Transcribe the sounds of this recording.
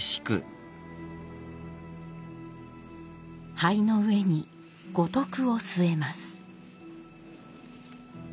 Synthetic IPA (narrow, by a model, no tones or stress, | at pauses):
ɕi̥kɯ̰ | haino̞ɯ̟e̞ɲ̟i | ɡ̥o̞t̪o̞kɯ̟o̞sɨe̞masɨ̥